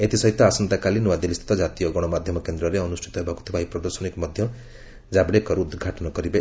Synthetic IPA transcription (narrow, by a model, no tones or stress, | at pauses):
et̪isʌɦit̪ːʌasʌnt̪akalinuwad̪ilist̪ʰt̪ɔd͡zat̪ijoɡʌɽ̃ʌmad̪ʱjʌmʌkend̪ɾʌɾeʌnusʈʰi̥t̪ɔɦebaku̥t̪ʰibʱaiprʌd̪ʌrsʌnikmʌd̪ʱjʌm | d͡zabɽekʌɾuud̪ɡʱaʈʌnʌɡʌɾibʌ